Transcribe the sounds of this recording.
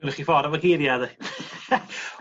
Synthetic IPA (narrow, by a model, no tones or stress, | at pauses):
nχifɔɾəməɡɪɾjað